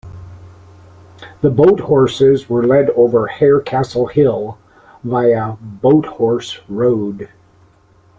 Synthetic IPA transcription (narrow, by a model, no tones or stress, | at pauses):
ðəboʊt̚hɔɹsɪzwə˞lɛɾoʊvə˞hɛɹkʰæsl̩ˠhɪlˠ | baɪɨboʊt̚hɔɹsɹoʊd